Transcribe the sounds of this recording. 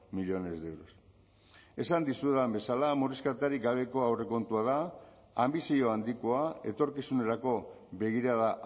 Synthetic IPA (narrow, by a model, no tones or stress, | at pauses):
miʎo̞ne̞ze̞wɾos | e̞sand̪isueðambe̞salamoɾiskat̪aɾiɡaβ̞e̞ko̞awre̞ko̞nt̪uað̞aː | mbisio̞and̪ikoae̞t̪o̞ɾkisune̞ɾako̞ | βe̞ɣiɾaða